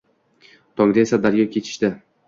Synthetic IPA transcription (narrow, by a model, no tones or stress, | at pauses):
t̪ʰɒŋd̪ae̞sad̪aɾjɒkʲʰe̞t͡ʃʰɪ̥ʃt̪ɪ